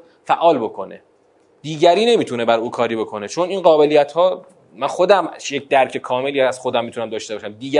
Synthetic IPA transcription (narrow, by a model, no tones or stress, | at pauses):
fæʔɒːlbo̞kʰo̞nḛ | d̪̥iːɟæɾiːne̞miːt̪ʰune̞bæɾuːkʰɒːɾiːbo̞kʰo̞ne̞t͡ʃʰo̞ninɢɒːbe̞lijæt̪hɒː | mænxo̞d̪æmjec̚d̪æɾcʰe̞kʰɒːme̞lijææz̥xo̞d̪æmːit̪unæmd̪ɒːʃt̪e̞bɒːʃæmd̪iːɡæ